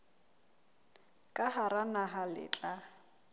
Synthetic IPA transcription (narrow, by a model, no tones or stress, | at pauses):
kʼahaɾanaɦalɪ̰ːt͡ɬʼa